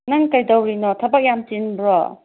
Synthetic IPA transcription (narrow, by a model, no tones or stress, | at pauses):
nɐŋkɐjdɐwɾinɔtʰɐbɐk̚jamt͡ʃinbɾɔ